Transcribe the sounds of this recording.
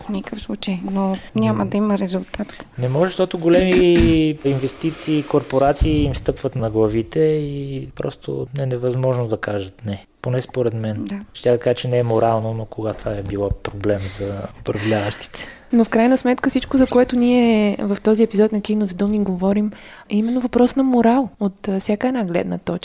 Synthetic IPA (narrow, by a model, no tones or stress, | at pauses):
fnikəfslˠut͡ʃəjnonʲaməd̪ɐiməɾɛzulˠt̪at̪nɛmɔʒɛʃt̪ɔt̪ʊɡolɛmi | invɛst̪it̪siːkoɾpoɾat̪siːimst̪ɤpvət̪nɐɡlˠɐvit̪ɛipɾɔ̰st̪ʰo̰nɛnɛvɐzmɔʒnod̪ɐkaʒət̪nɛ | ponɛspoɾɛd̪mɛnd̪aʃt̪ʲad̪ɐkaʒət͡ʃɛnɛɛmoɾalˠnonokoɡat̪vaɛbilˠapɾoblɛmzɐopɾɐvlʲavəʃt̪i̥t̪ʰɛ̥ | nofkɾajnəsmɛt̪kəfsit͡ʃkozɐkoɛt̪ʊniɛvɐft̪ɔziɛpizɔt̪nɐkinozd̪omiɡovɔɾim | ɛimɛnːovɐpɾɔsnɐmoɾalˠot̪fsʲjakəɛnaɡlɛ̰d̪nə̰t̪ɔt͡ʃ